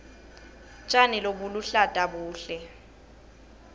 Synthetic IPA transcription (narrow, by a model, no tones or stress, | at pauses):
t͡ʃʼanɪlobʊluɬatʼabuːɬɛ